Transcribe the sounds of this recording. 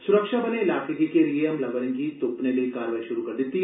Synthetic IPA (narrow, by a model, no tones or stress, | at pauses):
sʊɾəkʃabɐneɪlaːkekikelieɐmlɐɡənẽkit̪ʊpnelekaːɾʋaːiʃʊɾukɐɾd̪ɪt̪ːiɦ